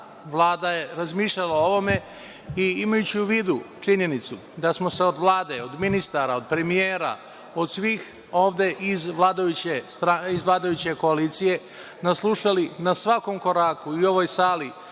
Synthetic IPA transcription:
ʋlˠaːd̪aje̞ɾazmiːʃʎalao̞ʋo̞me̞ | iimajut͡ɕiuʋiːd̪ut͡ʂiɲe̞nit̪su | d̪asmo̞se̞o̞d̪ʋlˠaːd̪e̞od̪minist̪aɾao̞d̪̚pɾe̞mijeːɾa̰ | o̞d̪sʋiːx | o̞ːʋd̪e̞ʔizʋlaːd̪ajut͡ɕest̪ɾaizʋlˠaːd̪ajut͡ɕe̞ko̞alit̪sije̞ | naslˠuʃalinasʋako̞mko̞ɾakuio̞ʋo̞jsaːli

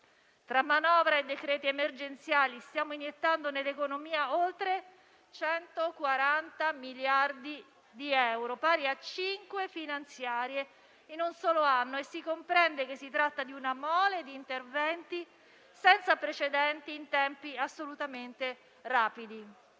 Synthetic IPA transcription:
t̪ɾamːanɔːvɾaed̪ːekɾɛːt̪iemerd͡ʒent̪sjaːlist̪jaːmoinjet̪ːand̪onelːekonomiːaolt̪ɾe | t͡ʃɛnt̪okwaɾant̪amiljard̪i | d̪iɛwɾopaːɾiat͡ʃiŋkwefinant̪sjaːɾje | inunsɔːloanːoesːikompɾɛnd̪ek̟esːit̪ɾat̪ːad̪iunamɔːled̪iːnt̪ervɛnt̪i | sɛnt̪sapɾet͡ʃed̪ɛnt̪iːnt̪ɛmpiasːolut̪ament̪e | raːpid̪i

